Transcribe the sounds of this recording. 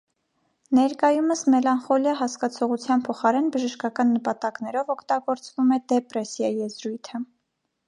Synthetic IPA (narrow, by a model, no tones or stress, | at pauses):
nɛɾkɑjuməsmɛlɑnχɔljɑɦɑskɑt͡sʰɔʁut͡sʰjɑnpʰɔχɑɾɛnbəʒəʃkɑkɑnːəpɑt̪ɑknɛɾɔvɔkʰt̪ɑɡɔɾt͡svumɛd̪ɛpɾɛsjɑjɛzɾujt̪ʰə